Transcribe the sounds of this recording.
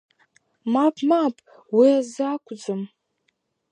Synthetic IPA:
mapʰʼmapʼ | wiazakʷʰʼd͡zɨm

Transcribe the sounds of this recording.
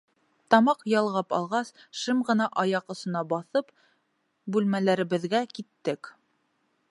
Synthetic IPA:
t̪ɑmɑqjɑlˠʁɑpɑ̰lˠʁɑsʃɘmʁɤ̆nɑʔɑjɑqŏsŏnɑbɑθɤp | bʉlmælæɾɘ̆βɘ̆ðɡækit̪ːɘk

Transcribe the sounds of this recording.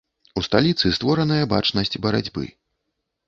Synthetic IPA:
ust̪alʲit̪sɨst̪vɔɾɐnɐjɐba̰t͡ʂnɐsʲt͡sʲbɐɾa̰d͡zʲbɨ̰

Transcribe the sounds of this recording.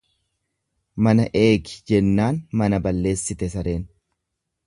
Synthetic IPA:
mɐnɐʔe̞ːɡɪ̥d͡ʒɛnːaːnmɐnɐbɐlːe̞ːsːɪt̪ɛsɐɾe̞ːn

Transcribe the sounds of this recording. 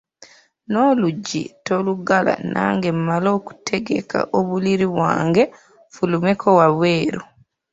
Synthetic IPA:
no̞luɟːḭtoluɡala̰na̰ːŋɡemːalo̞ːku̥tʰe̞ɡe̞̰ka̰ʔoβuliɾiβwa̰ːŋɡe̞ | fulumekʰowaβwe̞ːɾo

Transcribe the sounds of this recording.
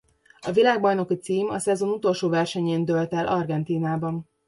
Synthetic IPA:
ɒvilaːɡbɒjno̞kit̪siːmɒ̰sɛzo̞nut̪o̞lʃoːvɛrʃɛɲeːnd̪ølt̪ɛlʔɒrɡɛnt̪iːnaːbɒn

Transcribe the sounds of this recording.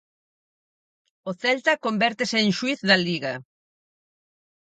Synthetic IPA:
oθɛlt̪akombɛɾt̪eseːŋʃwiθðɐliɣa

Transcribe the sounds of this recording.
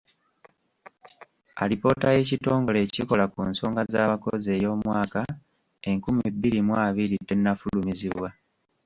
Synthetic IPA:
alipo̞ːtaje̞cito̞ːŋɡo̞le̞ːciko̞lakṵnso̞ːŋɡazaːβako̰ze̞ːjo̞ːmwaːka | e̞ŋkumibːiɾimwaːβiɾitːe̞nːafulumiziβwa

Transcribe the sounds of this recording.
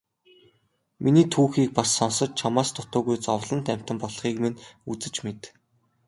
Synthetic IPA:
mʔiniːt̪ʰuːxiːk̚pasːɔnsə̆t͡ɕ̚t͡ɕʰamaːst̪ʰʊt̪ʊːɣujt͡sɔwɮə̆nt̪æm̥ʲt̪ə̆mpɔɮχiːkmenut͡sɘ̆t͡ɕmet̪

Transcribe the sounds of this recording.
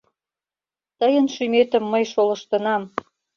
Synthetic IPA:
t̪əjənʃymet̪ə̆mːəjʃolɤ̆ʃt̪ə̆nɑm

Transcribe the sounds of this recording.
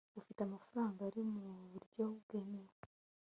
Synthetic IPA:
ɡufitamafuɾaːŋɡaɾimuβuɾɟo̞ɡ̥eːmeɾe

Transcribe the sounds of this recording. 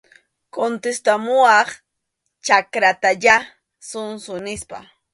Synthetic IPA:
kont̪est̪amʊɑχ | t͡ʃakɾat̪aʎa | sʊnsʊnɪspa̰

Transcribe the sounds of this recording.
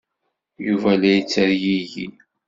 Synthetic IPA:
juvælæjit͡sːəɾjiʝḭ

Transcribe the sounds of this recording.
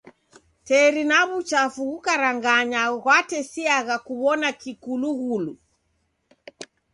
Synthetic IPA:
tɛɾinaβut͡ʃafuɣukaɾaŋɡaɲaɣwatɛsiaɣakuβɔnakikuluɣulu

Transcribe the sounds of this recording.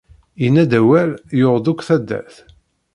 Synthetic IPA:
jənːæd̪æwæljoʁˤd̪ukʷθæd̪ːæ̰θ

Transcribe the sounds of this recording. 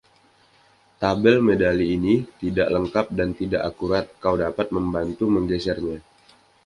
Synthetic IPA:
t̪abɛlmedaliːnit̪idaʔləŋkap̚dant̪idaʔakuɾat̪̚kawdapat̪̚məmbant̪uməŋɡɛsɛrɲa

